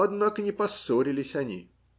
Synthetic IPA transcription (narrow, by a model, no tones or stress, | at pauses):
ɐd̪nakənʲɪpɐsoɾʲɪlʲɪsʲɐnʲḭ